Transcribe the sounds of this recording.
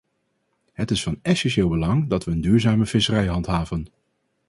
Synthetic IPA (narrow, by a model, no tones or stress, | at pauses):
ɦətɪsfɑnɛsɛnʃeːlˠbəlɑŋdɑtʋəːndyːɹzaːməv̥ɪsərɛjɦɑntɦaːvən